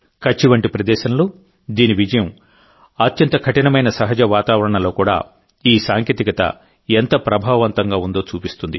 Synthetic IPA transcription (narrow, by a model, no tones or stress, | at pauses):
kɐt͡ʃːiʋɐɳʈipɾɐd̪ɛːʃɐnɐlu | d̪iːniʋid͡ʒɐjɐm | ɐt̪jɐnt̪ɐkʰɐʈinɐmɐjnɐsɐɦɐd͡ʒɐʋaːt̪aːʋɐɾɐɳɐlo̞ːkuːɽa̰ː | iːsaːŋkjeːt̪ikɐt̪ɐ̰ | ent̪ɐpɾɐbʱaːɐʋɐnt̪ɐŋɡaːund̪o̞ːt͡ʃuːpist̪und̪i